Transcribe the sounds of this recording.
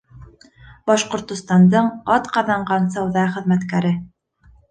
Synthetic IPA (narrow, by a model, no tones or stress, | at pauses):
bɑʃqŏɾt̪ŏst̪ɑnd̪ɤɴɑt̪qɑðɑɴɢɑnsɑwðɑχɘ̆ðmæt̪kæɾɘ